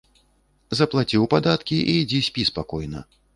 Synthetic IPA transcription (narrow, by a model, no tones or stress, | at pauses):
zɐplˠat͡sʲiwpad̪at̪kʲiʔiːd͡zʲisʲpʲispakɔjnɐ̰